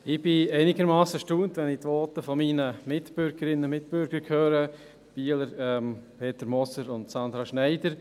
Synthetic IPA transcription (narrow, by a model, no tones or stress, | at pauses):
ɪb̥ɪæɪnɪɡəɾmɑːsəʃtuːntʋɛnɪtʋoːtəfɔmiːnəmɪtb̥ʏɾɡəɾɪnəmɪtb̥ʏɾɡəɾkʰhøːɾə | b̥iːələɾɛmpʰeːtəɾmɔsəɾʊntsɑnd̪ɾɑʃnæɪdəɾ